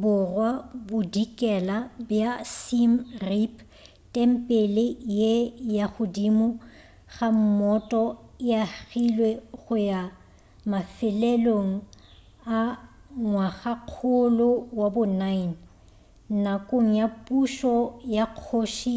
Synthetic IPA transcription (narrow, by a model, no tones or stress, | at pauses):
bʊrwabʊdikʼɛlabjasimripʰ | tʼɛm̩pʼelɪjejaɣʊdimʊ | ɣam̩mɔtʼɔjaɣilweɣʊja | mafɪlɛloŋ̩ | a | ŋwaɣaq͡χʰʊlʊwabʊnain̩ | nakʼoŋ̩japʼuʃɔjaq͡χʰoʃi